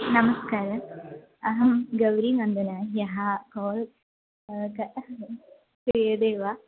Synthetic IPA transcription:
nɐmɐskaːɾɐm | ɐɦɐmɡɐʋɾimɐnd̪ɐnajɐɦakoːl | kɐ | kejɐd̪eːʋa

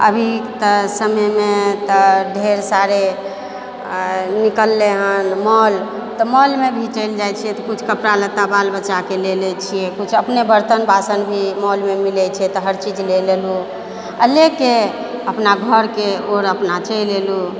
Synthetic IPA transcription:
ə̰bʱit̪əsəməmet̪ɔɖʱeɾsaɾe | nikəlːeɦənmɔl | t̪ɔmɔlmebʱit͡ʃəɪld͡ʒajt͡ʃʰijɛt̪ɔkut͡ʃʰkəpɾalət̪abalbət͡ʃːakelelɛt͡ʃʰijekut͡ʃʰəpnebəɾt̪ənbasənbʱimɔlmemilɛt͡ʃʰɛt̪ɔɦəɾt͡ʃid͡ʒʱlelelu | əleke | əpnaɡʱəɾkeoɾəpnat͡ʃəlelu

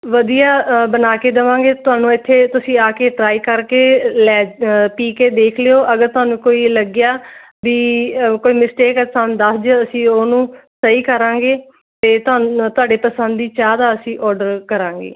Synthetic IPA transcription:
ʋəd̪ijaːbənaːkeːd̪əʋãːŋɡeːt̪ʊaːnũːɪt̪ʰːeːt̪ʊsĩːaːkeːʈɾaːiːkəɾkeːlɛːpiːkeːd̪eːkʰleoːʔəɡəɾt̪ʊɦaːnũːkoːiːləɡjaː | biːkoːiːmɪsʈeːkəsãːnd̪əsd͡ʒəəsĩːoːnũːsəiːkəɾãːŋɡeː | t̪eːt̪ʊaːt̪ʊaːɖeːpəsə̃nd̪iːt͡ʃaːd̪aːəsĩːʔɔːɾɖəɾkəɾãːŋɡḛː

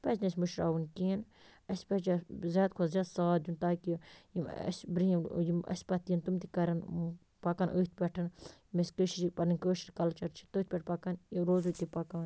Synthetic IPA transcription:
peznesmuʃɾa̰ːʋunkeːn | ɐspɐt͡ʃazʲjaːt̪kʰuzjaːd̪saːd̪ʲunt̪aːkijimɐ̰sbɾiimjimɐ̰sʲpɐt̪ijint̪umt̪ikɐɾɐn | pɐkɐːnʔəːt̪̚ʰpʲɛʈʰɐnmeskəʃɾipɐɾninʲkəːʃiɾkɐlt͡ʃɐɾt͡ʃʰit̪əːt̪̚ʲpʲɛʈ̚ʰpɐkɐniɾoːzuːt̪ipɐkaːn

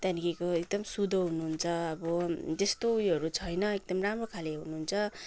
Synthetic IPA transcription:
t̪anikikoek̚d̪ʌmsud̪ʱoɦunuɦunt͡sʰʌʌbʌd͡z̪est̪ouɦʌɾut͡sʰʌjnʌek̚d̪ʌmramrokʰaleɦunuɦunt͡sʰʌ

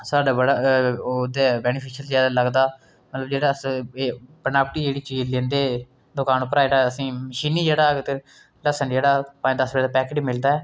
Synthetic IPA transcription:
saːɖaːbəɽaːd̪eːbɛːnɪpʰiːʃəlzjaːd̪aːləɡd̪aː | mət̪ləbd͡ʒeːɽaːs | pənaːpəʈiːd͡ʒeːɽiːt͡ʃiːzlẽːnd̪eː | d̪ʊkaːnpːəɾaːɪʈaːəsĩːməʃiːniːd͡ʒeːɽaːɡt̪e | ləsəɳɖd͡ʒeːɽaːpãːĩːd̪əsbɛːd̪aːpɛːkɪʈimɪld̪aːɛː

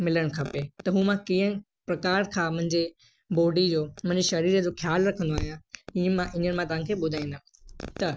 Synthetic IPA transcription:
mɪləɽ̃kʰɐpet̪ɐɦũːmãkiə̃ | pɾɐkaːɾkʰãːmɐ̃ɦɪ̃ɲd͡ʑe | boːɖid͡ʑoːmɐ̃ɦɪ̃ɲd͡ʑeʃɐɾiːɾəd͡ʑoːxʰjaːlɾɐkʰə̃nd̪oaːɦijãĩːə̃mãʔɪɲəɽ̃mãt̪ɐʋ̤ãkʰeːɓʊd̪ʱaːĩːnd̪a | t̪ɐ

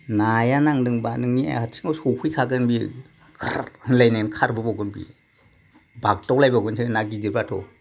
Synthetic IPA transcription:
najanaŋdɯŋbanɯŋnia̰hatʰi̥ŋawsokʰujkʰaɡɯnbi | kʰɾhɯnlajnankʰaɾbɯbaɡɯnbḭ | bak̚tɔk̚lajbaɡɯnsʰɯnaɡizɯbaatʰɔ̰

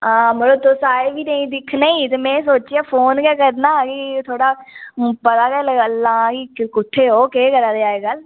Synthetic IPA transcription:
aːməloːt̪oːsaːebiːnəĩːd̪ɪkʰnəĩːt̪eːmɛ̃ːsoːt͡ʃiaːpʰoːnkɛːkəɾnaːkɪt̪ʰoːɽaːpət̪aːkɛːləɡəlːãːkikʊʈ̪ʰːeːɦoːkeːkəɾaːd̪eaːeːɡəl

